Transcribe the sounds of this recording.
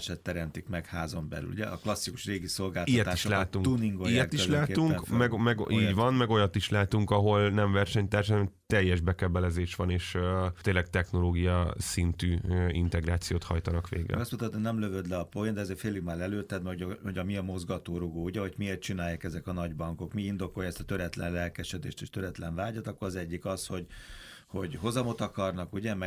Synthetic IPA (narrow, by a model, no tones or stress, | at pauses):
ʃɛt̪ːɛɾɛnt̪ikmɛkhaːzombɛ̰ly̰lṵɟɛ̰ʔɒklɒsːiku̥ʃreːɡiso̞lɡaːltijɛt̪ːiʃlaːt̪uŋt̪uniŋɡoijɛt̪iʃlaːuŋkmɛɡmɛɡiːɟʋɒnmɛɡojɒt̪iʃlaːt̪uŋkɒɦo̞lnɛɱvɛrʃɛɲt̪aːrʃɛnɛmt̪ɛjːɛʒbɛkɛbɛlɛzeːʃʋɒneːʃt̪eːnlːɛk̚t̪ɛxno̞loːɡijɒsint̪yːint̪ɛɡraːt̪sijoːt̪hɒ̰jt̪ɒnɒkʋḛːɡɛ̰ɒsmut̪ɒt̪ːonɛmløvød̪lɛɒpojind̪ɛzeːrfeːlːiɡmaːlɛløːt̪ɛd̪mɛuɟhoɟɒmiɒmo̞zɡɒt̪oːɾuɡoːuɟɛɦo̞ɟmieːrt̪t͡ʃinaːjːaːkɛzɛkɒnɒɟbɒŋko̞kmiind̪o̞ko̞jɑɛst̪ɒ̥t̪øɾɛt̪lɛ̰nlɛlkɛʃɛd̪ḛːʃt̪eːʃt̪øɾɛt̪lɛɱvaːɟɒt̪ɒkːoɾɒzɛɟːikɒsho̞ɟho̞ɟɦo̞zɒmo̞t̪ɒkɒrnɒkuɟɛmɛ